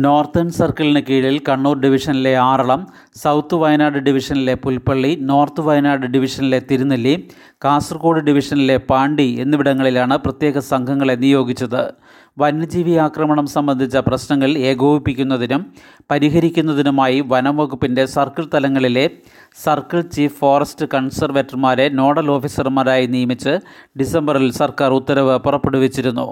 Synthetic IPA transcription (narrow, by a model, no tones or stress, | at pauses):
no̞ːrt̪ːɐnsɐrkɐɭinekiːɽilkɐɳːoːrɖiʋiʂɐnile̞aːrɐɭɐm | sɐwt̪ːɨʋɐjnaːɖɨɖiʋiʂɐnile̞pulpɐɭːino̞ːrt̪ɨʋɐjnaːɖɨɖiʋiʂɐnile̞t̪iɾunːɐlːi | kaːsrko̞ːɽɨɖiʋiʂɐnile̞paːɳɖienːiʋiɽɐŋːɐɭilaːɳɨprɐt̪je̞ːɣɐsɐŋɡʱɐŋːɐɭe̞nːijo̞ːɡit͡ɕːɐðɨ | ʋɐnːɨd͡ʑiːʋiaːkrɐmɐɳɐmsɐmbɐnd̪ʱit͡ɕːɐprɐɕnɐŋːɐɭe̞ːɡo̞ːʋipːikʲːunːɐðinum | pɐɾiɦɐɾikʲːunːɐðinumaːjiʋɐnɐmʋɐɣupːinde̞sɐrkɐɭt̪ɐlɐŋːɐɭile̞ | sɐrkɐɭt͡ɕiːffoːrɐstɨkɐɳsɐrʋetːɐrmaːɾe̞no̞ːɽɐlo̞ːfisɐrmaːɾaːjinijɐmit͡ɕːɨ | ɖisembɐrilsɐrkaːrut̪ːɐɾɐʋɨpurɐpːeɽuʋet͡ɕːiɾunːṵ